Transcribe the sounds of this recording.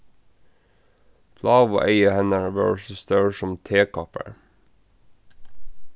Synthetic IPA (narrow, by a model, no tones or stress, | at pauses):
pʰlɑːʋʊʔeɪəhɛnəɹʋɜ̰ːɹsəst̪œɹsɔmt̪ʰeːkʰɑpə̰ɹ